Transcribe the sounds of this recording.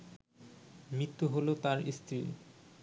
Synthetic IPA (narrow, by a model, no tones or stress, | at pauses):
mɾit̪ːuɦolot̪aɾist̪ɾi